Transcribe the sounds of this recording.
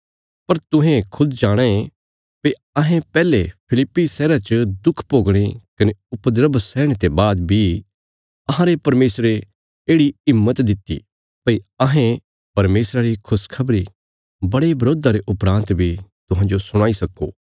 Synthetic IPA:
pɐɾt̪ʊ̃ɦẽkʰʊd̪d͡ʒaːɽ̃ẽe | pɐi | ɐɦẽpɛːlepʰɪlɪpːisɛːɾat͡ʃəd̪ʊkʰpoːɡɽ̃ekɐneʊpd̪ɾəbsɛːɽ̃et̪ebaːd̪bʱi | ɐɦãɾepɐɾmeːsɾe | eːɽiɪmːət̪d̪ɪt̪ːḭ | pɐiɐɦẽ | pɐɾmeːsɾaɾikʰʊskʰɐbɾi | bɐɽebɐɾoːd̪aɾeʔʊpɾãːnt̪bʱit̪ʊɦãːnd͡ʒosʊɽ̃aːisɐkːo̰ː

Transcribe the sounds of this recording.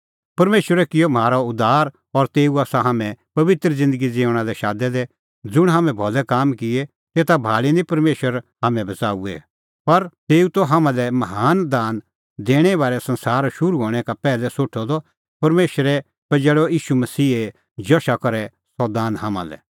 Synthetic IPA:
pɐɾmeːʃwəɾɛkɪjom̤aːɾɔʊd̪ʱaːɾ | ɔɾt̪eːuaːsaɦaːmɛ̃pɐʋɪt̪ɾəd͡zɪ̃nd̪əɡid͡zeːʊɽ̃alɛʃaːd̪ɛd̪ɛ | d͡zʊɽ̃ɦaːmɛ̃bʱɔlɛkaːmkɪe | t̪eːt̪abʱaːɭinĩpɐɾmeːʃəɾɦaːmɛ̃bʱɐt͡saːuɛ̰ | pɐɾt̪eːut̪oɦaːmãlɛmɐɦaːnd̪aːn | d̪eːɽ̃ɛbaːɾɛsɐ̃nsaːɾʃʊɾuɦoːɽ̃ɛkapɛːlɛsoːʈʰːɔd̪ɔ | pɐɾmeːʃəɾɛ | pɐd͡ʒɛɭɔiːʃumɐsiːe | d͡ʒɔʃakɐɾɛ | sɔd̪aːnɦaːmã̰lɛ̰

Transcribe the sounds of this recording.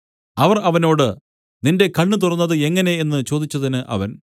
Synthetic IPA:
ɐʋɐrɐʋɐno̞ːɽɨ | ninde̞kɐɳːɨt̪̬urɐnːɐðɨe̞ŋːɐne̞enːɨt͡ɕo̞ːd̪it͡ɕːɐðinɨʔɐ̰ʋɐn

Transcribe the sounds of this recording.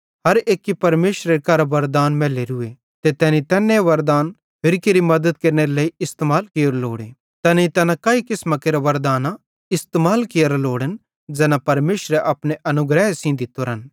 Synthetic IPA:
ɦɐɾeːkːipɐɾmeːʃɾeɾekɐɾʋɐɾd̪aːnmɛːleɾʊe | t̪et̪ɛːnĩt̪ɛːnːẽʋɐɾd̪aːn | pʰɪɾkeːɾimɐd̪əd̪̚keːɾneɾelɐːiʔɪst̪emaːlkejɾloːɽe | t̪ɛːniit̪ɛːnãkaːikɪsmakeːɾaʋɐɾd̪aːna | ɪst̪emaːlkɪjɾloːɽən | d͡ʒɛːnapɐɾmeːʃɾɛʔɐpneʔɐnʊɡɾɛɦesĩːd̪it̪ːoːɾɐn

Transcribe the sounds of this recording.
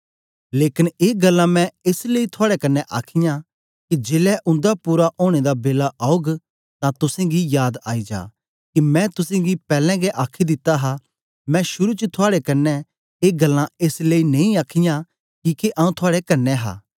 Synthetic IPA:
leːkɪneːɡɐlːãmɛ̃eːsleit̪ʰʊaːɽɛkɐnːɛʔaːkʰɪjã | kid͡ʒeːlɛʔʊ̃nd̪apuːɾaʔoːɽ̃ed̪abeːlaʔaːoɡ | t̪ãt̪ʊsẽɡijaːd̪aːid͡ʒa̰ː | kimɛ̃t̪ʊsẽɡipɛːlɛ̃ɡeʔaːkʰid̪ɪt̪ːaɦa | mɛ̃ʃʊɾut͡ʃət̪ʰʊaːɽekɐnːɛ | eːɡɐlːãeːsleːinɐ̃ĩaːkʰɪjã | kiːkeʔaũt̪ʰʊaːɽekɐnːɛɦa̰ː

